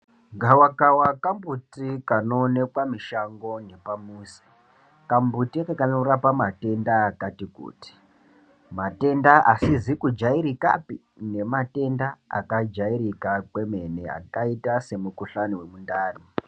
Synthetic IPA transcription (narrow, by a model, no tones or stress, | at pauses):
ɡʱawakawakambutikanonekwamiʃaŋɡo̞ne̞pamuːsi̥ | kambutiakakano̞ɾapamate̞ndaːkatikṵːti̥ | mate̞ndaʔasizikud͡ʒaiɾika̰pi | ne̞mate̞ndaa̰kad͡ʒaiɾikakwe̞me̞ne̞a̰kaitase̞mukuɬanowe̞mundaːri